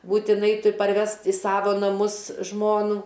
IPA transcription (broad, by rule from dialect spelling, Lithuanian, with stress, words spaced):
buːtʲɪˈnɐɪ ˈtʊrʲ pɐrʲˈʋʲɛst ɪ ˈsɑːʋoː nɐˈmʊs ˈʒmoːnuː